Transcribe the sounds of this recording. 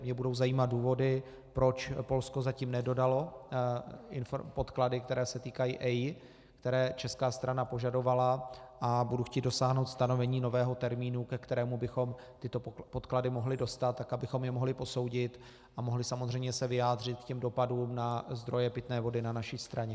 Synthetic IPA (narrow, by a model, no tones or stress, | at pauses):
mɲɛbudo̞wzajiːmat̪̚duːvo̞dɪ | pɾo̞t͡ʃpo̞lsko̞zaciːmnɛdo̞dalo̞ | ʔɪnfpot̪kladɪk̚t̪ɛɾɛːsɛt̪iːkajiːʔɛj | kt̪ɛɾɛːt͡ʃɛskaːst̪ɾʔanapo̞ʒado̞valaʔabuduxcʲiːdo̞saːɦnowt̪st̪ano̞vɛɲiːno̞vɛːɦo̞t̪ɛɾmiːnukɛkt̪ɛɾɛːmubɪxo̞m | t̪ɪt̪o̞po̞t̪kladɪmo̞ɦlɪdo̞st̪at̪ːakabɪxo̞mjɛmo̞ɦlɪpo̞so̞wɟɪt̪ | ʔʔamo̞ɦlɪsamozr̝ɛjmɲɛsɛvɪjaːd̪r̝ɪt̪̚kcɛmdo̞paduːmnazd̪ɾo̞jɛpɪt̪nɛːvo̞dɪnanaʃist̪ɾaɲɛ